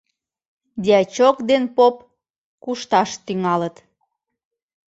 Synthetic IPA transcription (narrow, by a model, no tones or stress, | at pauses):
d̪ʲeɑt͡ɕokd̪enpop | kuʃt̪ɑʃt̪yŋɑlət̪